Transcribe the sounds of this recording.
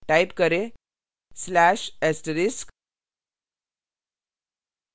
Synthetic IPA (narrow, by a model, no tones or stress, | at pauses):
ʈaipkəɾe | slæɕesʈɾisk